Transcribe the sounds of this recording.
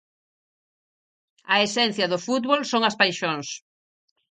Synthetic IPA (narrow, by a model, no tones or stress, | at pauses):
ɐesɛn̟θjɐðʊfut̪βolsoŋɐspajʃoŋs